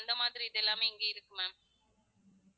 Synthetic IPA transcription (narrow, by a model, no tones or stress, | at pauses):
nd̪ɐmaːðɪɾiɪðɛlːaːmeɪŋɡeɪɾɯkːɯme